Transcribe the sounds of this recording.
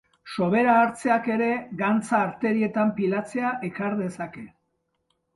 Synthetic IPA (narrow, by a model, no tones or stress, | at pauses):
so̞β̞e̞ɾaːɾt͡se̞ake̞ɾe̞ɣant͡saːɾt̪e̞ɾie̞t̪ampilat͡se̞aʔe̞kaɾðe̞sake̞